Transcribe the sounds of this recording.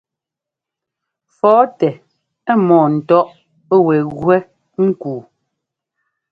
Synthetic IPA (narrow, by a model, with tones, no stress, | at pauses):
fɔː˨˦tɛ˨ | ɛ˦mɔː˨n̩˨tɔ˦ʔ | ɛ˦wɛ˨ɣwɛ˦ | ŋ̩˦kuː˨